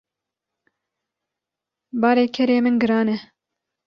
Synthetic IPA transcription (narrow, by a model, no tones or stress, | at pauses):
bɑːɾeːkʰɛɾeːmɨnɡɨɾɑːnɛ